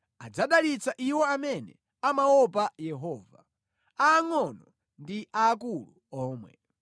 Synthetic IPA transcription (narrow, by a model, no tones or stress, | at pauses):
ad͡zaɗalit͡saʔiwɔamɛnɛ̰ | amawɔpajɛɦɔːva | aːŋɔnɔ | ndiʔaːk̬ulu | ɔːmwɛ̰